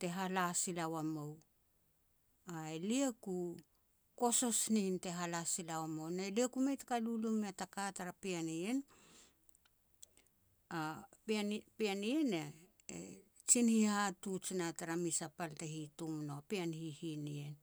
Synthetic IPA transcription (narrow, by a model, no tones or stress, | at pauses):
te̞ɦalasilawamow | aelieku | ko̞so̞sninte̞ɦalasilawamonaeliekumejtkalulumeatakataɾapianien | appianiene | ḛ | t͡ʃinhihatut͡ʃinataɾamisapaltehitumnopeanhihinien